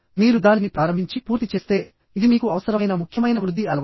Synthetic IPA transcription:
miːɾud̪aːlinipɾaːɾɐmbʱiɲt͡ʃipuːɾt̪it͡ʃe̞ːst̪e̞ː | id̪imiːkuɐʋɐsɐɾɐjnɐmukʰjɐmɐjnɐʋɾud̪ʱːiɐlɐʋ

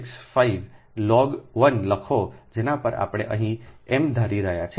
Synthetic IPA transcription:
ksfaiʋ | lɔɡʋənləkʰod͡ʒenãpəɾa̰pɽ̃ḛʔəɦĩemd̪ʱəɾiɾəɦjat͡ʃʰ

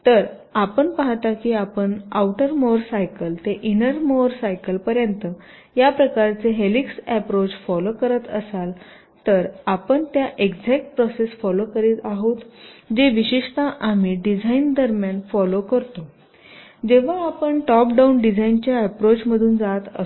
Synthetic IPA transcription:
t̪əɾ | apəɳpaɦt̪akiːapəɳawʈəɾmoɾsajkəlt̪eʔinəɾmoɾsajkəlpəɾjənt̪ə | japɾəkaɾt͡seɦeliksæpɾot͡sfɔlokəɾət̪əsal | t̪əɾapəɳt̪jaʔeɡd͡zɛk̚ʈ̚pɾɔsesfɔlokəɾiːt̪aɦot̪d͡ʑeʋiɕiʂt̪aʔamiːɖid͡zʱaind̪əɾmjanfɔlokəɾt̪o | d͡ʑeʋ̤aːpəɳʈɔp̚ɖaunɖid͡zʱaint͡ɕjaːpɾot͡ɕməd̪ʱuːnd͡zat̪ə̰

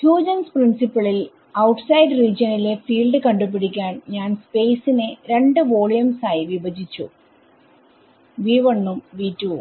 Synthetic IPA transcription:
tjuːd͡ʑɐnsprinsipːɐɭil | ɐwʈsɐjɖriːd͡ʑɐnile̞fiːɭɖɨkɐɳɖup̬ːiɽikʲːaːnɲaːnspe̞ːsineɾe̞ɳɖɨʋo̞ːɭijɐmsaːjiʋibɐd͡ʑit͡ɕːṵ | ʋiːʋonːumʋiːtːu

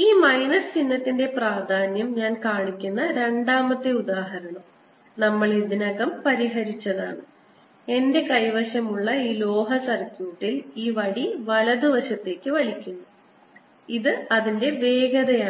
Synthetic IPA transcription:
iːmɐjnɐst͡ɕinːɐt̪ːinde̞praːd̪ʱaːnjɐmɲaːnkaːɳikʲːunːɐɾe̞ɳɖaːmɐt̪ːeuðaːɦɐɾɐɳɐm | nɐmːɐɭiðinɐɣɐmpɐɾiɦɐɾit͡ɕːɐða̰ːɳɨ | e̞nde̞kɐjʋɐɕɐmuɭːɐiːlo̞ːɦɐsɐrkʲjuːʈːiliːʋɐɽiʋɐlɐðɨʋɐɕɐt̪ːe̞ːkːɨʋɐlikʲːunːu | iðɨɐðinde̞ʋe̞ːɡɐðɐjaː

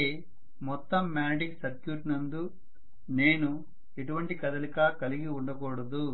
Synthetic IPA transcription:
e | mɔt̪ːɐmːaːɖiksɐɾkjuːʈnɐnd̪u | ne̞ːnu | eʈuʋɐɳʈikɐd̪ɐlikaːkɐliɡiuɳɖɐkɔːɽɐd̪u

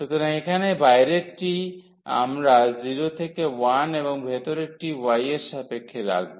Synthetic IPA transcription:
ʃut̪ʰoɾaŋekʰanebajɾeʈi | a̰mɾaziɾot̪ʰekewaneβoŋbʱet̪oɾek̚ʈiwajesapekʰːeɾa̰kbo

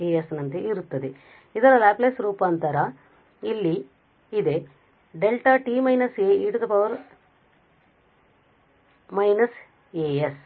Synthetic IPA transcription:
eːjesnɐnt̪eiɾut̪ːɐd̪e | id̪ɐɾɐlaːplesɾuːpaːnt̪ɐɾɐ | ilːi | id̪e | ɖelʈaːʈiːmɐjnɐseiɽud̪ɐpɐʋɐɾ | mɐjnɐs | eːes

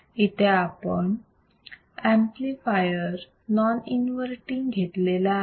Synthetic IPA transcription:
it̪ʰeapəɳ | æ̃mplifajəɾ | nɔninʋəɾʈiŋɡɡʱeʈ̪lela

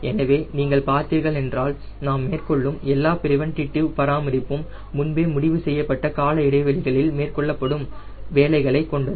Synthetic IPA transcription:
ɛnɐʋeːniːŋɡɐɭpaːɾt̪iːɾɣɐɭɛndraːl | naːmːeːrkɔɭːɯmɛlːaːpɪɾɪʋɐnʈ̪ɪʈːɯpɐɾaːmɐɾɪpːɯmː | ʊnbeːmʊɽɪʋɯsɛjːɐpːɐʈːɐkaːlɐɪɽɐɪʋɐlɪɣɐɭɪlmeːrkɔɭːɐpːɐɽɯm | ʋeːlɐɪɣɐɭɐɪkːɔɳɖɐð

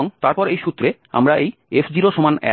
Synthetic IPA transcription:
oŋt̪aɾpɔɾejʃut̪ːɾe | a̰mɾaʔejefd͡ʑiɾoʃomanɛ̰

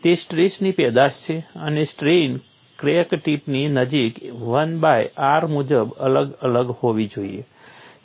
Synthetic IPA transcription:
t̪esʈɾisnipɛd̪ast͡ʃʰeənesʈɾin | kɾekʈipninəd͡ʒikʋənbajaɾmud͡ʒəbələɡələɡhoʋid͡ʒoie

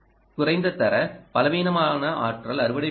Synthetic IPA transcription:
kʊɾɐɪnd̪ɐt̪ːɐɾɐpɐlɐʋeːnɐmaːnɐʔa̰ːʈrɐlɐɾɯʋɐɽɐ

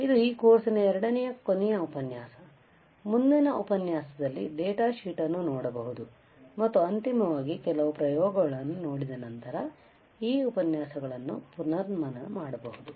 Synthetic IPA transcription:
id̪uiːkoːɾsinɐɛɾɐɽɐnɛjɐkonɛjɐupɐnjaːsɐ | mund̪inɐʔupɐnjaːsɐd̪ɐlːid̪ɛːʈaːʃiːʈɐnːunɔːɽɐbɐɦud̪u | mɐt̪ːuɐnt̪imɐʋaːɡikɛlɐʋupɾɐjɔːɡɐɡɐɭɐnːunoːɽid̪ɐnɐnt̪ɐɾɐ | iːupɐnjaːsɐɡɐɭɐnːṵpunɐɾmɐnɐmaːɽɐbɐɦud̪u

